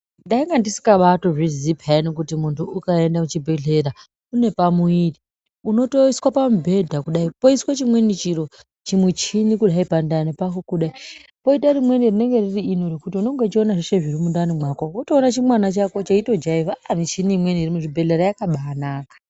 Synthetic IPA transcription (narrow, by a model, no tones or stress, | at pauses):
ndaiŋɡandisi̥kaɓato̞ʐizipʰanikutimuntʰuukae̞ndamut͡ʃibʱe̞ɮe̞ɾa | une̞pamuiri | uno̞toiswapamubʱe̞dʱakuɗaipo̞iswat͡ʃimwenit͡ʃiɾo̞ | t͡ʃimwut͡ʃinikuɗaipandanepakokuɗaipo̞itaɾimwe̞nirine̞ŋɡe̞ririino̞ɾokutiuno̞ŋɡet͡ʃio̞naʐiʃeʐiɾimundanimwakowotoːnat͡ʃimwanat͡ʃako̞t͡ʃaito̞d͡ʒaivamit͡ʃiniimwe̞niirimuʐibʱe̞ɮeɾajakaɓanaːkḁ